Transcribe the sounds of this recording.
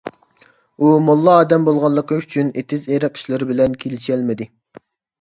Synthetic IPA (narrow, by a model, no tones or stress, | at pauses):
umolˠːɑɑːd̪ɛmbolˠʁɑlˠːəqəyt͡ʃʰynet̪ʰɪzeɾæqʰi̥ʃlɪɾɪbɪlɛnkʲʰelɪʃɛlmɪd̪ɪ